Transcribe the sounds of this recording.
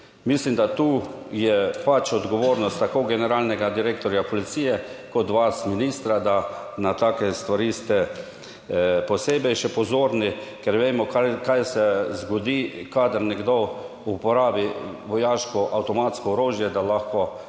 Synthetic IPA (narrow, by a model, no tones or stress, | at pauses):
mislimd̪at̪uːjɛpat͡ʃɔd̪ɡɔʋoːɾnɔst̪ːakoɡɛnɛɾaːlnɛɡad̪iɾeːkt̪ɔɾjapɔlit̪siːjɛkɔt̪ʋasminist̪ɾad̪a | nat̪aːkɛst̪ʋaɾist̪ɛ | pɔseːbɛjʃɛpɔzoːɾnikɛɾʋeːmɔkakajsɛzɡɔd̪ikad̪əɾnɛɡd̪o | upɔɾaːbiʋɔjaːʃkɔʔawt̪ɔmat̪skɔɔɾoːʒjɛd̪alaxkɔ